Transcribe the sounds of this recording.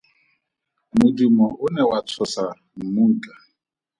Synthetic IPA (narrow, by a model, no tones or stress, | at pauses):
mʊdumɔʔʊnɛwat͡sʰɔsa | m̩muŋ̩kʼa